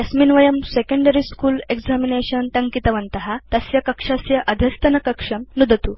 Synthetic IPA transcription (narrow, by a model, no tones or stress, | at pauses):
jɐsminʋɐjɐmsekə̃ɳɖɐɾiskuːleɡzamineɕɐnt̪ɐŋkit̪ɐʋɐnt̪ɐɦat̪ɐsjɐkɐkʂasjɐʔɐd̪ʱɐst̪ɐnɐkɐkʂɐmnud̪ɐt̪u